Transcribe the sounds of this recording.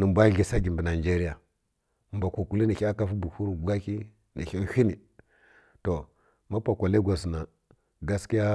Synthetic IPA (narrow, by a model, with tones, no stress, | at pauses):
nə˨mbʷa˦ɣi˨sa˦ɡʲi˨mbi˨na˨d͡ʒe˦ɾi˦ja˨ | mba˨kʷu˨ku˨˦li˦ni˨xa˦ka˦fu˦bu˨hu˦ɾu˨ɡa˦ki˦ | nḭ˨xi˦hi˦ni˨ | to˨ | ma˦pa˨kʷa˨le˦ɡʷa˨s̬na˨ | ɡa˦ski˦ja˦